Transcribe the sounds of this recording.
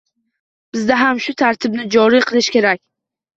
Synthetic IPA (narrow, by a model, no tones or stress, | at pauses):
b̥ɪzd̪aɦamʃʊt̪ʰaɾt̪ʰɪb̚nɪd͡ʒɒɾiqʰɨlˠɪʃkʲe̞ɾakʲ